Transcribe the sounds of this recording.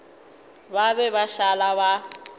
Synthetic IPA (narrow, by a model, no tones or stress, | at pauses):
baβɛβaʃalaβa